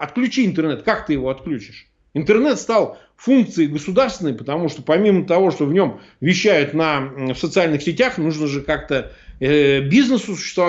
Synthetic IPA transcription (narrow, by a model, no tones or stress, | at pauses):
ɐt̪klʲʉt͡ɕiɪnt̪ɨrnɛt̪kakt̪ɨjɪvo̞ɐt̪klʲut͡ɕɪ̥ʂ | ɪnt̪ɨrnɛt̪st̪ɑlˠ | funk̚t̪sɨɪjɡəsʊd̪arst̪vʲɪnːəjpət̪ɐmuʂt̪opɐmʲimət̪ɐvo̞ʂt̪o̞vnʲo̞m | vʲɪɕːæjʊt̪nɐfsət̪sɨalʲnɨxsʲɪtʲaxnuʐnəʐɨkakt̪ə | bʲiznəsʊsʊɕːɪ̥st̪vɐ